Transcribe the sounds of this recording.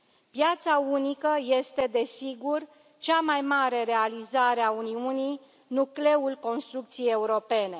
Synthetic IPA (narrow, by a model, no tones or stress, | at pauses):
pjat̪saunikəje̞st̪e̞d̪e̞siɡur | t͡ʃamajmaɾe̞ɾe̞alizaɾeauniunij | nukle̞ulko̞nst̪ɾuk̚t̪sijeje̞uɾo̞pe̞ne̞